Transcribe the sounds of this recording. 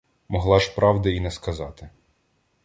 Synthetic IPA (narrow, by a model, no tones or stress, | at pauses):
mɔɦlˠɑʃpɾʔɑwd̪ɐinɛskɐzɑt̪ɪ